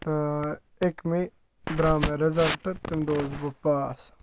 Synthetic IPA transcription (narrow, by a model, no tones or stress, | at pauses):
t̪ɐ | ekmi | d̪ɾaːmeɾɐzɐlʈɐt̪imd̪oːzbupaːs